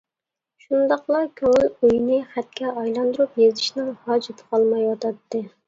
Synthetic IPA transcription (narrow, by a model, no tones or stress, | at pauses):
ʃund̪ɑqlˠɑɾkʲʰøŋylujnɪχæt̪̚kʲʰɛɑjlˠɑnd̪uɾupjezɪʃnɪŋhɑːd͡ʒɪt̪ʰə̥qʰɑlˠmɑjwɑt̪ʰɑt̪ːɨ